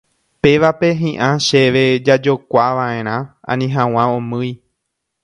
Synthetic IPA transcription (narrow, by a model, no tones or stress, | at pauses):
pe̞ʋape̞ɦĩʔãʃeʋe̞d͡ʒad͡ʒo̞kʷaʋãẽ̞ɾ̃ãã̰nĩɦãw̃ãõmɨ̃j